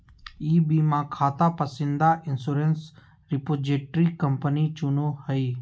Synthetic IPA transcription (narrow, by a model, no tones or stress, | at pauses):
iːbiːmãːkʰaːt̪aːpəsɪ̃nd̪aːʔɪnsuːɾens | ɾɪpoːd͡ʒeːʈɾiːkəmpəniːt͡ʃʊnoːhəiː